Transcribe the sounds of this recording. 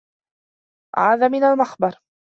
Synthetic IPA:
ʕa̰ːðaːmɪnalmaxbɑɾˤ

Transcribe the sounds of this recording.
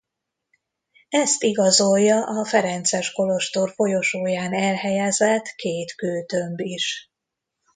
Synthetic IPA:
ɛst̪iɡɒzo̞jːɒʔɒfɛɾɛnt̪sɛʃko̞lo̞ʃt̪orfo̞jo̞ʃoːjaːnɛlhɛjɛzɛt̪keːt̪køːt̪ø̞mbiʃ

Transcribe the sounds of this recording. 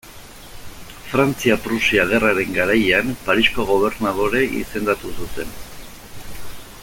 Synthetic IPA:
fɾant͡siapɾusiaɣe̞raɾe̞ŋɡaɾajeampaɾisko̞ɣ̞o̞β̞e̞ɾnað̞o̞ɾe̞ʔḭse̞nd̪at̪usut̪e̞n

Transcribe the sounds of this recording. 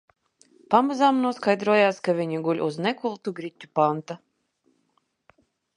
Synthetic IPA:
pamazamnuɔskajd̪ɾuɔjaːskavʲiɲiɡulʲuznɛkulˠt̪uɡɾit̪ʲːupant̪a

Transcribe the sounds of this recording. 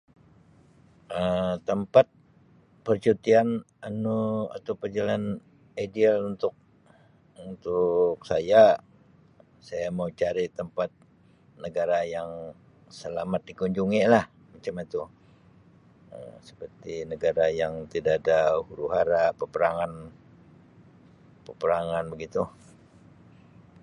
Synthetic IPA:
ət̪əmpat̪̚ | pərt͡ʃut̪ian | anua̰t̪awpərd͡ʒalan | adialunt̪ʊk̚ | unt̪ʊk̚saja | sajamaut͡ʃaɾit̪əmpat̪̚ | nəɡaɾajaŋ | səlamat̪̚dikuɲd͡ʒuŋilah | mat͡ʃamat̪u | ə̰sə̥pərt̪inəɡaɾajaŋt̪idaʔːdahuɾuɦaɾapəpəɾaŋan | pəpəɾaŋanbəɡit̪u

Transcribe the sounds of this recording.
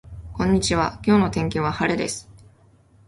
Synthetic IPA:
kõ̞ɲ̟ːit͡ɕiβakʲo̞ːno̞t̪ẽ̞ŋk̬ʲiβahaɾed̪e̞sɨ̥

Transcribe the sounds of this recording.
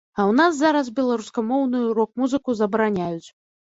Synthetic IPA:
ɐwnasːaɾɐsbʲɛlˠaɾuskamɔwnɨjuɾɔkmuzɨkuzɐbɐɾanʲajut͡sʲ

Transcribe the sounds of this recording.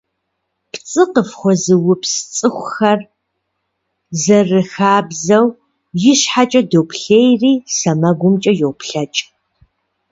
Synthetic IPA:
pt͡sʼɨqəfχʷɔzɨwʊpst͡sʼɨxʷʊxɐr | zɐrɨxaːbzɐw | jɪɕħat͡ʃʼɐdopʰɬeːjriːsɐmɐɡʷʊmt͡ʃʼɐjowpʰɬɐt͡ʃʼ

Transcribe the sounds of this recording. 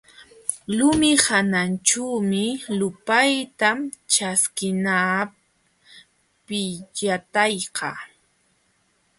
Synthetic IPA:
lʊmɪhanant͡ʃawmɪlʊpajt̪amt͡ʃaskɪna | pɪʎat̪ɑjqɑ̰

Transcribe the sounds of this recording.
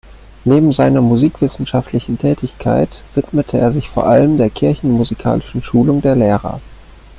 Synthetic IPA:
neːbm̩zaɪnɐmuziːkv̥ɪsn̩ʃaftlɪçn̩tʰɛːtɪçkʰa̰ɪtv̥ɪtmətʰəeːɐzɪçfoːɐʔaləmdeːɐkʰɪɐçn̩muzikʰa̰ːlɪʃn̩ʃuːlʊŋdeːɐleːʁɐ̰

